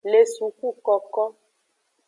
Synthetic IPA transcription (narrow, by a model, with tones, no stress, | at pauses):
le˨su˨ku˦kɔ˨kɔ˦